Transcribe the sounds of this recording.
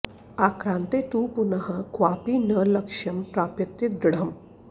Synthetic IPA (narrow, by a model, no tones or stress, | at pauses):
akɾãnt̪et̪upunəɦəkʋapiːnələkʂɐmʈɾapjɐt̪jid̪ɾɽ̤əm